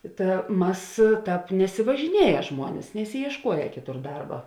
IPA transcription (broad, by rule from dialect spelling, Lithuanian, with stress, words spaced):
ˈtɐ ˈmɐs ˈtɑːp nʲɛsʲɪʋɐʒʲɪˈnʲiɛjɛ ˈʒmuɔnʲɪs nʲɛsʲɪjiɛʃˈkuɔjɛ ˈkʲɪˌtʊr ˈdɐrbɐ